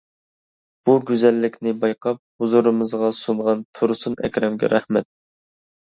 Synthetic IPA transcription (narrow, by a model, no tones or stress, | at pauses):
b̥uɡʲyzɛlːɪkʲnɪbɑjqʰɑp̚huzuɾɨmɨzʁɑsuɴʁɑnt̪ʰoɾsunɛ̰kʲɾɛmɡʲɛ̰ɾæhmɛt̪̚